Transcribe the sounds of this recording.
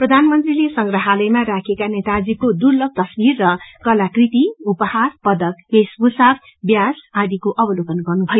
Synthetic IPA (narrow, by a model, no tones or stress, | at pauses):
prʌd̪ʱanmʌnt̪rilesʌŋɡraɦalʌjmaɾakʰekanet̪ad͡zikod̪urlʌk̚t̪ʌsbirːʌkʌlakrit̪iupʌharpʌd̪ʌk̚besbusab | bjasad̪ikoʔʌbʌlokʌnɡʌrnubʱʌjo